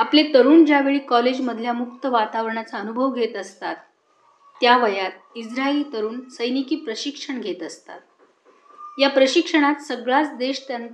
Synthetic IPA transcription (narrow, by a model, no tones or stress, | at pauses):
aplet̪əɾuːnd͡ʑjaʋeɭiːkɔled͡ʑməd̪ʱljamuk̚t̪əʋat̪aʋəɾɳat͡saənubʱəʋɡʱet̪əst̪at̪ː | jaʋəjat̪ | id͡zɾaelit̪əɾuːnsəjnikiːpɾəɕikʂəɳɡʱet̪əst̪a̰t̪̚ | japɾəɕikʂəɽ̃at̪səɡɭat͡sd̪eɕt̪jan